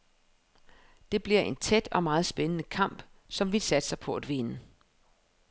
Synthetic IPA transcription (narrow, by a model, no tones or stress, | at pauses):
d̥e̝b̥liɐ̰ʔe̝nt͡sʰed̥ɒ̽mɑ̈ːð̞̩ˠsb̥enənəkʰɑ̈m̰b̥sɒ̽mʋilsæd̥sɑ̈ɪpʰɒ̽æd̥ʋe̝nə